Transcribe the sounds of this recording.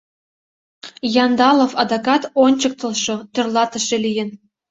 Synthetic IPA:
jɑnd̪ɑlˠofɑd̪ɑkɑt̪onʲt͡ɕɤ̆k̚t̪ɤ̆lˠʃŏt̪ø̆rlˠɑt̪ɤ̆ʃĕlʲijɘ̆n

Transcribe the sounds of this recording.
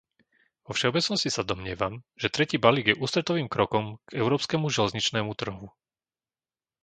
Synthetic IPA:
ʋɔfʃɛɔbɛt͡snɔscisad̪ɔmɲɪɛʋamʒ̥ɛt̪ɾɛciːbaliːɡjɛʔuːst̪ɾɛt̪ɔʋiːmkɾɔkɔmɡ̥ɛʊɾɔːpskɛmuʒɛlɛzɲit͡ʃnɛːmut̪r̩ɦu

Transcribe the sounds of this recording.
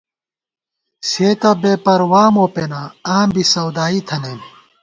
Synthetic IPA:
seːt̪ɐbeːpɐɾwaːmoːpenaaːmbisɐwd̪aːit̪ʰɐnem

